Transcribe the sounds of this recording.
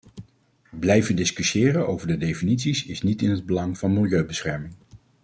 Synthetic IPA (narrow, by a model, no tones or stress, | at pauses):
blɛjvəndɪskyʃɪːɾəno̰wvəɹdədejfinitsisɪsnitɪnɦəd̚bəlɑŋv̥ɑnmɪlˠjøɥbəsχɛɹmɪŋ